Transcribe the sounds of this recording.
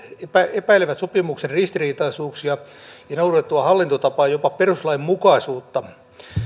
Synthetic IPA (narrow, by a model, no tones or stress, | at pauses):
epæepæileʋæt̪sopimukserrist̪iriːt̪ɑisuːksjɑjɑnourʋet̪t̪ːuɑhɑlːint̪ot̪ɑpɑːjopɑperuslɑimmukɑisuːt̪ːɑ